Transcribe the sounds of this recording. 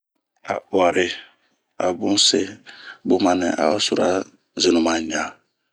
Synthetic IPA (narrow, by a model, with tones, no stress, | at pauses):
a˨wa˨ɾe˨ | a˨bũ˦se˦bu˦mã˨nɛ̃˨ʔa̰˨a˦su˨ɾa˦ | ze˨nũ˨mã˨ɲã˨